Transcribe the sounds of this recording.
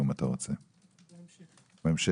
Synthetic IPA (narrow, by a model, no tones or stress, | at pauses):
imat̪aʁot͡se | memʃe